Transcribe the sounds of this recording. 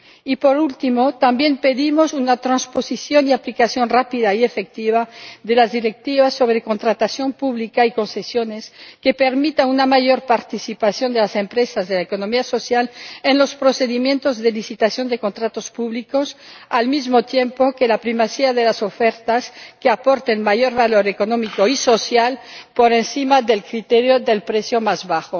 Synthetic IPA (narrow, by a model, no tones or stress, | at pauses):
ipo̞ɾult̪imo̞t̪ambje̞mpe̞ðimo̞sunat̪ɾanspo̞sisjo̞niaplikasjo̞nrapiðaie̞fek̚t̪iβaðe̞lazðiɾek̚t̪iβaso̞βɾe̞ko̞nt̪ɾat̪asjo̞mpuβlikaiko̞nsesjo̞ne̞ske̞pe̞ɾmit̪aunamajo̞ɾpaɾt̪isipasjo̞nd̪elase̞mpɾesazðelaeko̞no̞miaso̞sjalenlo̞spɾose̞ðimje̞nt̪o̞zðelisit̪asjo̞nd̪e̞ko̞nt̪ɾat̪o̞spuβliko̞salmizmot̪jempokelapɾimasiaðelaso̞feɾt̪askeapoɾt̪enmaʝo̞ɾβalo̞ɾekonomikoiso̞sjalpoɾensimaðe̞lkɾit̪eɾjoðelpɾesjomazβaxo